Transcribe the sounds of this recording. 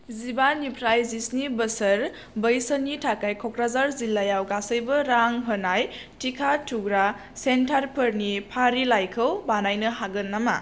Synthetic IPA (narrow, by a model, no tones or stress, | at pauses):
zibanipʰɾajzisnibəsəɾ | bəjsənitʰakajkʰɔkɾazaɾzilːajawɡasəjbɐɾaŋɦənaj | tʰikʰatʰuɡɾa | sentʰaɾpʰɯɾnipʰaɾilajkʰəwbanajnɯɦaɡɯnːama̰